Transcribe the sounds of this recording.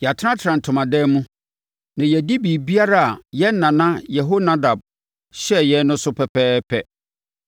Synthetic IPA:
jɛ˨a˨tʰɪ˦ɾã˦tʰɪ˨ã˨n˨tʰʊ̃˨mã˨dɛː˦mũ˦ | nã˨jɛ˨di˦biː˨bi˦a˦ɾa˦˨a˨jɛ˦n̩˦nã˨nã˦jɛ˨ɦo˦nã˦da˨b̚ | ɕɛ˦jɛ˨˦nʊ̃˦sʊ˦pʰɛ˨pʰɛː˦pʰɛ˦

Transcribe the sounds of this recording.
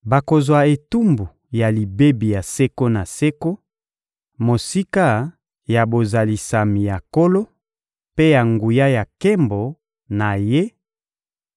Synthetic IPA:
ba˨ko˨zwa˨e˨tu˦mbu˨ | ja˨li˨be˦bi˨ja˨se˦ko˦na˨se˦ko˦ | mo˨si˦ka˦ | ja˨bo˨za˨li˨sa˨mi˨ja˨ko˦lo˦ | pe˦ja˨ŋɡu˨ja˦ja˨ke˦mbo˨ | na˨je˦

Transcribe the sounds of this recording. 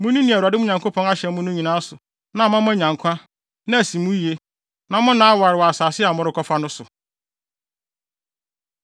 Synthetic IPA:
mʊ̃˦nũ˦nĩ˨æ˨u˨a˨dɪ˦mʊ̃˦ɲã˨ŋkʰo˦pʰɔ̃˦na˦ɕɛ̃˨m˦mʊ̃˦nʊ̃˦ɲĩ˨nãː˦sʊ˨ | nã˨mã˦m˦ã˦ɲ˨ã˨ŋkʷʰã˦ | nã˦æ˨sĩ˨mũ˦ji˨e˦ | nã˨mʊ̃˦nãː˨˦a˦wa˨ɾɪ˨wɔ˨a˨saː˨sɪ˦a˨mʊ̃˦ɾɪ˦kʰɔ˦fa˦nʊ̃˦sʊ˨

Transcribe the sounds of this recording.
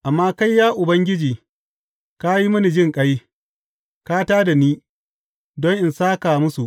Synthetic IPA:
ʔa˨mːaː˦ka˦jːaː˦ʔʊ˨bɐ˦ŋɡʲɪ˦d͡ʒiː˨ | ka˦ji˦mʊ˦ni˨d͡ʒɪ˦ŋkʼa˦j | ka˦taː˦da˨niː˦ | dɔ˦ŋʔɪ˨nsaː˦ka˨mʊ˦su˨ʔ

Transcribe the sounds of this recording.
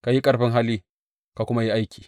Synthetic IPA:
ka˨ji˦kʼɐ˨rɸɪ˦ŋɦa˦liː˦ | ka˨kʷʊ˦ma˦ji˦ʔa˦jkʲiː˨

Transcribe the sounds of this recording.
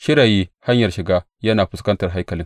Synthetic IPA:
ʃɪ˦ɾaː˨jiː˦ha˦ɲjɐ˨rʃɪ˨ɡaː˦ | jɐ˦naː˨ɸʊ˦skɐ˦ntɐ˨rɦa˦kɐ˨lɪ˦

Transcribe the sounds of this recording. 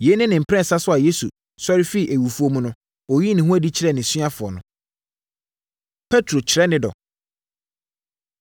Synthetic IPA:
jɛ˨˦nɪ̃˦nɪ̃˨m̩˨pʰɾɛ̃˦n˨sa˦sʊ˦a˨je˦sṵ˨ | sɔ˦ɾɪ˦fi˦˨ʔe˨wu˨fu˨o˦mũ˦nʊ̃˦ | ɔ˨ji˦nɪ̃˨hũ˦æ˦di˦t͡ɕʰɪ˨ɾɛ˦˨nɪ̃˨sɥa˦fʊ˨ɔ˨nʊ̃˨ | pʰɛ˦tʰɾo˨t͡ɕʰɪ˨ɾɛ˦nɪ̃˦dɔ̰˨

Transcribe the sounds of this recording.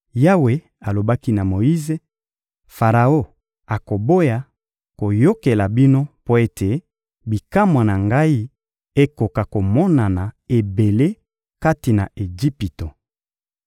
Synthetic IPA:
ja˦we˨ | a˨lo˨ba˦ki˦na˨mo˨ji˦ze˦ | fa˨ʁa˨o˦ | a˨ko˨bo˦ja˨ | ko˨jo˦ke˨la˨bi˦no˦po˦e˦tʰe˨ | bi˨ka˦mwa˨na˨ŋɡa˦i˦ | e˦ko˨ka˨ko˨mɔ˦na˨na˨e˨be˨le˦ | ka˦ti˨na̰˨e˨d͡ʒi˦pi˨to˨

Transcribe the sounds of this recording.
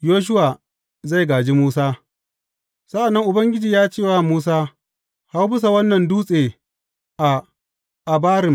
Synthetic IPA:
joː˦ʃ̬ʊ˦waː˨ | za˦˨jɡaː˨d͡ʒi˦muː˦saː˦ | sa˦ʔa˨nːɐ˦ŋʔʊ˨bɐ˦ŋɡʲɪ˦d͡ʒiː˨jaː˦t͡ʃeː˦˨waː˦muː˦s̬aː˦ | ha˦wbɪ˦s̬a˨wɐ˦nːɐ˨nduː˦sʼeː˨ | ʔa˨ | ʔa˨baː˦ɾɪ˨m

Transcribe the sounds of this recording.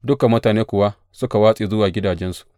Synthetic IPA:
dʊ˦ka˨mːʊ˦taː˨neː˦kʷʊ˨wa˦ | sʊ˦ka˨waː˦sʼi˨zʊ˦waː˨ɡʲɪ˦daː˨d͡ʒɛ˦nsu̥˨

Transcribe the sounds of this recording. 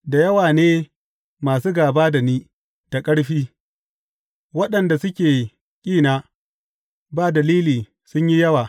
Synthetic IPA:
da˨jɐ˦waː˨neː˦ | maː˨suː˦ɡaː˨baː˦da˨niː˦ | ta˨kʼɐ˦ɽɸiː˦ | wɐ˦ɗɐ˨nda˨sʊ˦kʲeː˨ | kʲʼiː˦˨naː˦ | baː˦dɐ˨liː˦liː˨ | sʊ˦ɲji˦jɐ˦waː˨

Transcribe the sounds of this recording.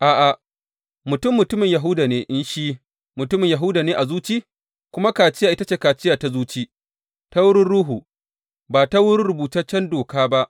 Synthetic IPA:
ʔaː˨ʔa˨ | mʊ˨tʊ˦mːʊ˨tʊ˦mɪ˨ɲjɐ˨ɦʊ˦daː˨neː˦ʔɪ˦nʃiː˦ | mʊ˨tʊ˦mɪ˨ɲja˨ɦʊ˦daː˨neː˦ʔa˨zuː˦t͡ʃiː˦ | kʷʊ˦ma˦kaː˨t͡ʃɪ˦ja˨ʔɪ˦ta˦t͡ʃeː˨kaː˨t͡ʃɪ˦jaː˨ta˦zuː˦t͡ʃiː˦ | ta˦wʊ˦ɽɪ˦ɽuː˦ɦuː˨ | baː˨ta˦wʊ˦ɽɪ˦ɽʊ˨buː˨tɐ˦t͡ʃːɐ˦ndoː˨kaː˦ba˦ʔ

